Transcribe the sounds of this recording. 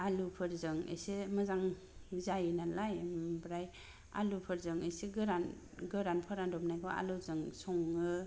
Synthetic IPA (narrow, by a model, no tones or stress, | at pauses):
alupʰɯɾzɯŋḛsemɯzaŋ | zajnalajmbɾaj | a̰lupʰɯɾzɯŋeseɡɯɾan | ɡɯɾanpʰɔɾandɔpnajkʰɔa̰luzɯŋsɔŋɯ